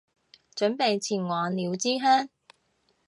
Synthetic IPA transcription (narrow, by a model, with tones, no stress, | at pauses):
t͡ʃɵ˨˥npe˨jt͡sʰiː˨˩nwaː˨liː˨˧wt͡siː˥ɦœː˥ŋ